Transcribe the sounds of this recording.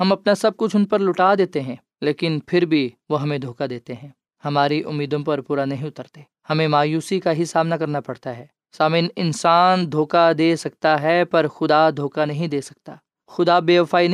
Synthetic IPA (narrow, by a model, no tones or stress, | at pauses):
hɐmɐpnasɐb̚kʊt͡ʃʰʊnpɐɾlʊʈaːd̪eːt̪eɦɛ̃ː | leːkɪnpʰɪɾbʱiʋoɦɐmẽd̪ʱoːkad̪eːt̪eɦɛ̃ː | hɐmaːɾiʔʊ̰mːiːd̪õpɐɾpuːɾanɐɦĩʊt̪əɾt̪eː | hɐmẽmaːjuːsikaɦisaːmnakɐɾnapɐɽt̪aɦɛː | saːmɪːnɪnsaːnd̪ʱoːkad̪eːsɐk̚t̪aɦɛpɐɾxʊd̪ad̪ʱoːkanɐɦĩd̪eːsɐ̥k̚t̪aː | xʊd̪abeːʋfaːinɐ